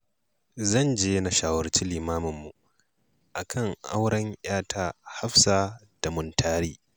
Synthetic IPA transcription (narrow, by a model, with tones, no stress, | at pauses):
zɐ˦˨nd͡ʒeː˦na˨ʃaː˦wɐ˨rt͡ʃiː˦liː˨maː˦mʊ˨mːu˨ʔ | ʔa˨kʰɐ˦˨ŋʔa̰˦wɽɐ˦ɲʔj̰aː˦tʰaː˦ha˦ɸsaː˨ | d̥a˨mʊ˨ntʰaː˦ɾiː˦